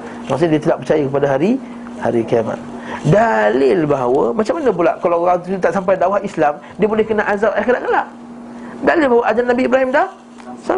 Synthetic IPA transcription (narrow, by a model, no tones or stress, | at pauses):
maʔs̬uɲdiət̪əlaʔpərt͡ʃajəkəpadaɦaɾi | ha̰ɾikiama̰t̪̚ | dalɪlbaɦawəmat͡ʃamːanə̃bulaʔkalawɾaŋt̪uut̪aʔsampajdawahislam | diəbolɛhkənaʔazalakədaʔkəlaʔ | dalɪlbaɦawəʔad͡ʒanabiːbɾaɦimdah | sa